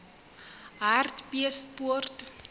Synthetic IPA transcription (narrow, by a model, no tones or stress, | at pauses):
ɦartpiəspuərt